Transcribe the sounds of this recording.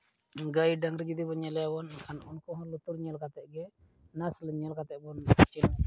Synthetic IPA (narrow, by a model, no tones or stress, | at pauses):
ŋɡajɖaŋɾid͡ʒid̪ibɔɲɛlɛawɔnakʰanɔnkɔɦɔ̃lut̪uɾɲɛlkat̪ɛʔɡɛ | nasləɲɛlkat̪ɛʔbɔnt͡ʃin